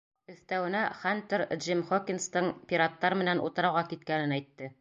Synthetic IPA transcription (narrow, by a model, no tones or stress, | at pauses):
ɵ̆θt̪æwɘ̆næχant̪eɾʒimχokʲinst̪ɤɴpʲiɾat̪ːɑɾmɘ̆nænṵt̪ɤ̆ɾɑwʁɑkit̪kænɘnæjt̪ːɘ